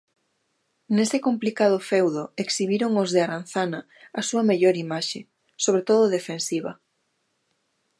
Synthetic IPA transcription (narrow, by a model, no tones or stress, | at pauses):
nesɪkomplikað̞ʊfɛwðoeksiβiɾoŋozðɪaɾanθanɐ | asuɐmeʎoɾimaʃe | soβ̞ɾet̪oðʊðefẽnsiβ̞ɐ